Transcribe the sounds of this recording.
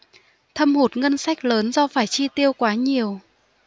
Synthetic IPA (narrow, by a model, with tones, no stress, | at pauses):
t̪ʰə˧mho˨˩t̚ŋə˧nsa˦˥k̟̚ləː˨˦nzɔ˧faː˧˩jt͡ɕi˧t̪i˧əwkwaː˨˦ɲi˨˩əw